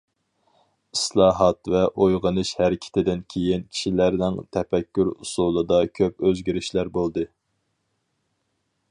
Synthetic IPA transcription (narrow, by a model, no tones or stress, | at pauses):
islˠɑːɦɑt̪vɛʔojʁənɨʃhæɾɪkʲʰɪ̥t̪ʰɪd̪ɪnkʲʰejinkʲʰi̥ʃilæɾnɪŋt̪ʰɛpɛkʲːyɾhusulˠɨd̪ɑkʲʰøpøzɡʲiɾɪʃlæɾbolˠd̪ɨ